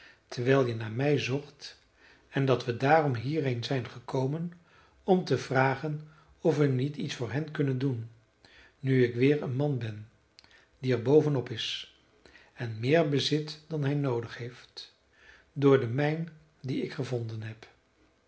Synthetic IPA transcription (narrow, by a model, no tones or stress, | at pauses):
tʰəɹʋɛːlˠjənaːmɛjzɔχt | ɛndɑtʋədaːrɔmɦiːrejnzɛjnχəkowmən | ɔmtəvraːχən | ɔfʋənititsfʊːɹɦɛnkɵnəndunː | yɪkʋɪːɹənmɑnbɛn | diɛɹbowvənɔpɪs | ɛnmɪːɹbəzɪtd̥ɑnɦɛjnowdəχhejft | dʊːɹdəmɛjn | diɪkχəvɔndənɦɛp